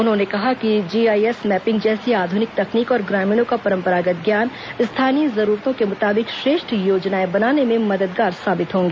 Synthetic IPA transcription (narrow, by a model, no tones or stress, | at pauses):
ʊnɦõnekɐɦakid͡ʒiːaːiɛsmɛːpɪ̃ŋɡd͡ʒɛːseaːd̪ʱʊnɪk̚t̪ɐkniːkɔːɾɡɾaːmĩːñõkapɐɾə̃mpəɾaːɡət̪̚ɡjaːn | st̪ʰaːniəzɐɾuːɾt̪õkemʊt̪aːbɪkʃɾeːʃʈjoːd͡ʒnaːebɐnaːnemẽmɐd̪əd̪ɡaːɾsaːbɪt̪ɦõːŋɡeː